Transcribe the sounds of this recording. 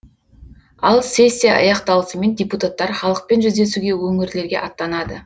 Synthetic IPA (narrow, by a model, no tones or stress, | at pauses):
ɑlˠsʲe̞sʲːijaɑ̰jɑqt̪ɑlˠəsəme̞ndʲeput̪at̪ːɑɾχɑlˠəq̚pe̞nʒʏzd̪e̞suɡʲe̞wɵŋɪɾle̞ɾɡʲe̞̰ʔɑt̪ːɑnɑd̪ə